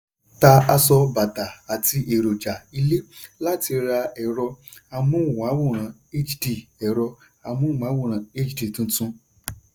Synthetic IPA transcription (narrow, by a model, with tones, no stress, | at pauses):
ta˧a˧sɔ˧ba˨ta˨a˨ti˧ʔe˨ɾo˨d͡ʒa˨i˧le˦la˦ti˧ɾa˧ɛ˨ɾɔ˧a˧mũ˦˨w̃a˨˦wu˦˨ɾ̃ã˨˦e˦t͡ʃdi˦˨ɛ˨ɾɔ˧ | a˧mũ˦˨a˨˦wũ˦˨ɾ̃ã˨e˦d͡ʒdi˨tũ˦tũ˦